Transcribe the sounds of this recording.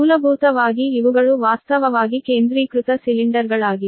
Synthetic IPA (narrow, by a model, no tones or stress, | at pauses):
uːlɐbʱuːt̪ɐʋaːɡiːʋuɡɐɭuʋaːst̪ɐʋɐʋaːɡike̞ːnd̪ɾiːkɾut̪ɐsiliɳɖɐɾɡɐɭaːɡi